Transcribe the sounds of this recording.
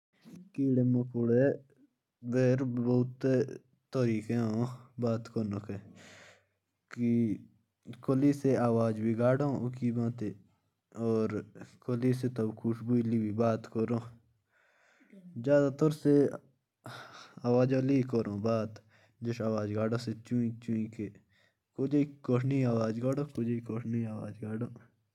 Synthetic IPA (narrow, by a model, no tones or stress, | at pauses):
kiːɽeːmẽːkʊɽe | beːɾboʊt̪e | t̪əɾiːkẽɦõbaːt̪kənõke | ki | koliːseaːwaːd͡ʒbʱiːɡaːɽõːʊkiːbãːt̪eː | ɔːɾkoliːset̪əbkʰuʃbuiliːbibaːt̪koɾõː | zjaːd̪aːt̪oɾse | aːwaːd͡ʒõːliːkəɾõːbaːt̪ | d͡ʒəʃaːwaːd͡ʒɡaːɖõːset͡ʃuĩt͡ʃũːĩkeː | kod͡ʒeikoʈʰniːaːwaːd͡ʒɡaːɽoːkod͡ʒeikoːʈʰniaːwa̰ːd͡ʒɡaːɖõː